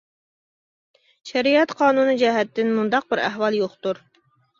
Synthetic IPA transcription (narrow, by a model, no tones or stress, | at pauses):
ʃɛɾijɛt̪qʰɑːnunɨd͡ʒɛɦɛt̪ːɪnmund̪ɑq̚bɪɾæ̰ɦwɑlˠjoχt̪uɾ